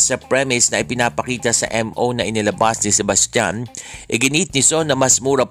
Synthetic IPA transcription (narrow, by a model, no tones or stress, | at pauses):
sɐpɹɛmɪsnɐʔɪpɪnaːpɐkiːt̪ɐsɐ̰ʔɛmʔonɐʔɪnɪlɐbasnɪsɛbɐst̪ja̰nʔɪɡɪnit̪̚nɪso̞nɐmɐsmuːɾɐ